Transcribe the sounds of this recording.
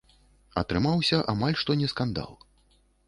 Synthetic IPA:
ɐ̰t̪ɾɨmawsʲɐʔamalʲʂt̪ɔnʲɛskand̪a̰lˠ

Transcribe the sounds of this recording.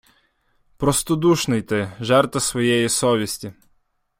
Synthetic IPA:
pɾɔst̪ɔd̪uʃnɪjt̪ɪʒɛrt̪ɐsʋɔjɛjisɔʋʲisʲtʲi

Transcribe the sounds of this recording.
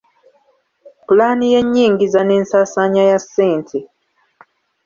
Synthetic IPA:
pulaːnije̞ɲːiːŋɡizane̞ːnsaːsaɲajasːeːntʰi

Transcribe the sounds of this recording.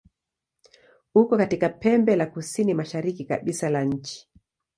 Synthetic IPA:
ukɔkatikapɛmbɛlakusinimaʃaɾikika̰ɓisalaɲ̩t͡ʃi̥

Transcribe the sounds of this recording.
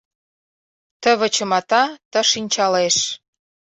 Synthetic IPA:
t̪ə̆βə̆t͡ɕə̆mɑt̪ɑt̪ə̆ʃinʲt͡ɕɑleʃ

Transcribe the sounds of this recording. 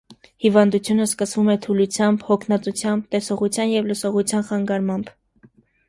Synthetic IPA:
hivɑnd̪ut͡sʰjunəskəsvumɛt̪ʰulut͡sʰjɑmbhɔkʰnɑt͡sut͡sʰjɑmb̚t̪ɛsɔʁut͡sʰjɑnjɛvlusɔʁut͡sʰjɑnχɑŋɡɑɾmɑmb

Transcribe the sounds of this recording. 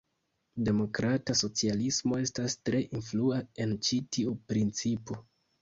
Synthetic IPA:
de̞mo̞kɾataso̞t͡sialismo̞e̞stastɾe̞ʔinfluae̞nt͡ʃitiupɾint͡sipo

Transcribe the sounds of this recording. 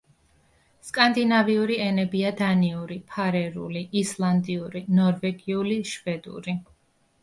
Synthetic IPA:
skʼand̪inaviuɾiɛnɛbiad̪aniuɾipʰaɾɛɾṵliʔislˠand̪iuɾinɔɾvɛɡiuliʃvɛd̪ṵɾi

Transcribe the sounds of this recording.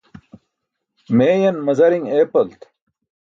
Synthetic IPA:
meːjɐnmɐzɐɾiŋeːpɐlt̪

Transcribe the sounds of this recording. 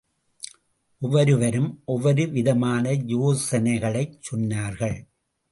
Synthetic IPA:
ʔɔʋɐɾɯʋɐɾɯmʔɔʋɐɾɯʋɪðɐmaːnɐjoːsɐnɐɪɣɐɭɐɪt͡ʃt͡ʃːɔnːaːɾɣɐɭ

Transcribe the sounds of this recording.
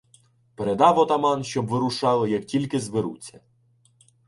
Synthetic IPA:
peɾed̪ɑwɔt̪ɐmɑnʃʲt͡ʃɔbʋɪɾuʃɑlˠɪjɐktʲilʲkɪzʋɪɾṵt͡sʲɐ

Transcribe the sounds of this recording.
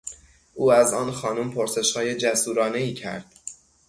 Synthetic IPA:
ʔuːæzɒːnxɒːnumpʰoɾse̞ʃhɒːjed͡ʒæsuːɾɒːneiːcʰæ̰ɾd̪̥

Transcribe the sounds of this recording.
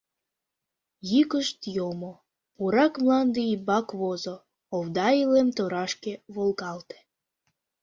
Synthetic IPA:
jikəʃt̪jomo | puɾɑkmlɑnd̪eibɑkβozoː | vd̪ɑilemt̪oɾɑʃkeβolɣɑlt̪e̥

